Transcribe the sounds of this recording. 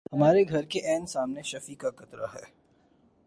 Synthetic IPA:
ɦɐmaːɾeɡʱɐɾkeʔɛːnsaːmneʃɐfikakɐt̪ɾa̰ɦɛ̰ː

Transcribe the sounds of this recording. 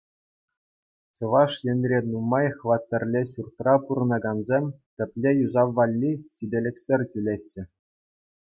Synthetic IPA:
t͡ɕɤ̆ʋɑʂjɘ̆nʲrʲenumːɑjχʋɑt̪ʲːɘ̆rʲlʲeɕurt̪rɑpuɾɤ̆nɑɡɑnzʲemʲt̪ʲɘ̆pʲlʲejuzɑʋːɑlʲːiɕidʲĕlʲɘ̆kʲsʲerʲtʲylʲeɕːɘ̆

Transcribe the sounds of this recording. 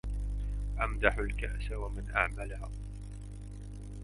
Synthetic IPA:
ʔamd̪aħalkaʔsawamɪnʔaʕmalha

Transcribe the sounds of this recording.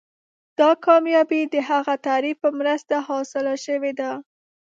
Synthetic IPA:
d̪̥ɑkɑmjɑbid̪əɦaɣat̪aɾifpəmɾəst̪ahɑsɪlaʃəwed̪a

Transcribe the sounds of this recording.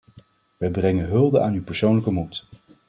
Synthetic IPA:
ʋɛjbrɛŋənɦɵlˠdəaːnywpəɹsownləkəmut

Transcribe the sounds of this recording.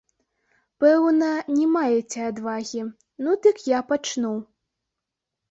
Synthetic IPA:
pɛwnɐnʲɛmajet͡sʲɛad̪vaɣʲi | nud̪ɨkjapat͡ʂnu

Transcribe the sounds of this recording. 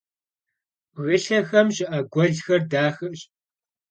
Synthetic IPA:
ɣɨɬɐxɐmʑɪʔɐɡʷɔɮxɐrdaːxɨʔɕʼ

